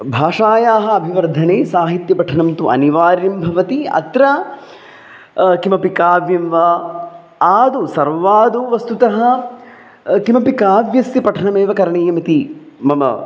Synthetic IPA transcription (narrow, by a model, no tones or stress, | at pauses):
bʱaːʂaːjaːɦɐ̆ːbʱiʋɐɾd̪ʱɐneːsaːɦit̪jɐpɐʈʰɐɳɐmt̪uʔɐ̰niʋaːɾimbʱɐʋɐt̪iɐ̰t̪ɾɐ | kimɐpikaːʋjɐmʋɐ | aːd̪usɐɾʋaːd̪uʋɐst̪ut̪ɐɦɐ̆ | kimɐpikaːʋjɐsːipɐʈʰɐɳɐmeːʋɐkɐɾɐɳeːjɐmit̪i | mɐmɐ̰